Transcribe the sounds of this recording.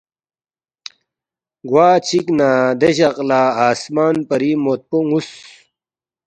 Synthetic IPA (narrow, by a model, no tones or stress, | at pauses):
ɡwaːt͡ɕʰiknaːd̪eɕɐqlaːaːsmaːnpɐɾimoːt̪̚poŋus